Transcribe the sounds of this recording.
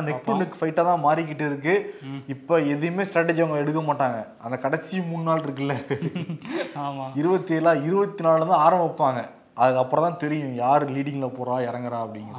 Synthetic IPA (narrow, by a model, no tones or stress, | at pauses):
nɛk̚ʈʊnɪkːfɐɪʈːat̪ãːmaːɾɪk̬ːɪʈːɪɾɯk̬ːɯɪpːoːɛðɯjmeːsʈɾaːʈːɛd͡ʒɐŋɡɐɛɽɯkːɐmaːʈːaːŋɡɐ | ɐnd̪ɐkɐɽɐsɪjʊ̃mʊnnaːlɪɾɯk̬ːɪlːɐ | ɪɾɯbɐt̪ːɪeːlãːɪɾɯbɐt̪ːinaːlɯnd̪ãaːɾɐ̃mbɐpːaːŋɡɐ | ʔɐðɯkɐpːɐɾɐ̃t̪ãːt̪ɛɾɪjʊ̃jaːɾliːɽɪŋɡlɐpoːɾãːɪɾɐŋɡɐɾãːɐpːɐɽɪŋɡɐɾ